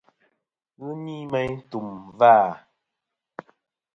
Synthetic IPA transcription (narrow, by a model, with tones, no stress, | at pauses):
ɣɨ˦mi˦mɛ˦jtu˨mvaː˦˨